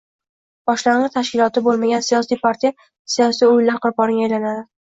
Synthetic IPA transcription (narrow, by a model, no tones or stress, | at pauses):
b̥ɒʃlaŋʁɨt̪ʰaʃkʲɪlˠɒt̪ʰɪbolˠmaɡʲansijɒsijpʰaɾt̪ʰija | sijɒsijʊjlaɾqʊɾpɒɾɪŋʲaːjlanad̪ɪ